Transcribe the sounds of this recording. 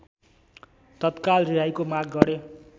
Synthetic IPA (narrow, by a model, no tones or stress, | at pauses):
t̪ʌt̪kalriɦajkomak̚ɡʌɾe